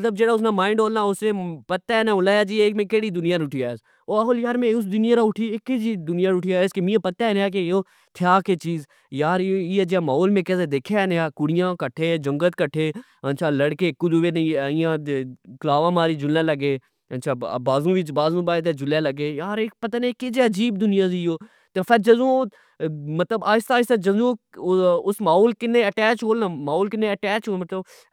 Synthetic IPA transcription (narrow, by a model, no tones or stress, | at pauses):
mɐt̪ləb̚d͡ʒeːɽaːʊsnaːmãːɪɳɖoːlnaːʊsnẽːpət̪ːaɛnãːʊlaːjaːd͡ʒiːeːkmẽːkeːɽid̪ʊnɪjãːɾʊʈʰijas | oːaɦoːljaːɾmẽʊs̬d̪ʊnɪjãːɾaʊʈʰiːekːed͡ʒiːd̪ʊnɪjãːɾʊʈʰijaːskemĩãpət̪ːaneaːk̬ejoː | t̪ʰɪjaːket͡ʃiːz | jaːɾiːed͡ʒjaːmaːoːlmẽːkɛsed̪eːkʰenjaːkʊɽɪjãːkəʈʰːed͡ʒəŋɡət̪kəʈʰeː | ənt͡ʃʰaːləɽkeːkʊd͡ʒuʋeːnɪjãːklaːʋãːmaːɾiːd͡ʒʊlːãːləɡeː | ənt͡ʃʰaːbaːzũːʋɪt͡ʃbaːzũːbaet̪̬eːd͡ʒʊleːləɡeːjaːɾeːpət̪aːnekɪd͡ʒeːəd͡ʒiːb̚d̪ʊnɪjãːzioː | t̪eːpʰəɾd͡ʒəzõː | mət̪ləbaːɪst̪aːɪst̪ad͡ʒəzõː | ʊsmaːɦoːlkɪnːẽːəʈɛːt͡ʃɦoːlnãːmaːoːlkɪnẽːəʈɛːt͡ʃɦoːmət̪ləb